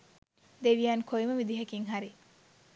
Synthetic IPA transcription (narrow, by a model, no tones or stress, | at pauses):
d̪eʋijaːnkʰoiməʋid̪iɦɐkiŋɦaɾi